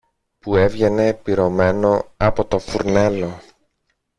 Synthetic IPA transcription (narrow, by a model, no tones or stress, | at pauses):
pue̞vʝe̞ne̞piɾo̞me̞no̞ɐpo̞t̪o̞fuɾne̞lo̞